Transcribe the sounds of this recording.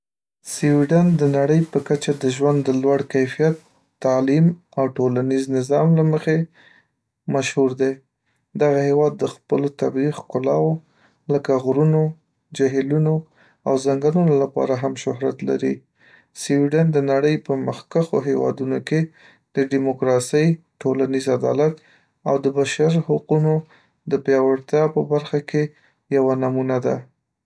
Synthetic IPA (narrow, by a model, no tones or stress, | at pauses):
siwiɖand̪ənaɽəjpəkat͡ʃad̪əʒwand̪ːəlwaɽkajfijat̪ː | ɑlim | awʈolaniznɪzɑmlaməxe | maʃhuɾd̪e | d̪aɣahewɑd̪ːəxpəlot̪abɾixkʊlɑwo | ləkaɣɾuno | d͡ʒaɦiluno | a̰wzaŋɡaɾunolapɑ̰ɾaɦamʃʊɦɾat̪la̰ɾi | siwiɖand̪ənaɽəjpəməxkaxo̰ɦewɑ̰d̪unoke | d̪̥əɖimʊkɾɑsəj | ʈolanizad̪ɑ̰lat̪ | awd̪əbaʃaɾhʊquno | d̪əpjɑwaɾt̪jɑpəbaɾxake | jawanamunad̪a̰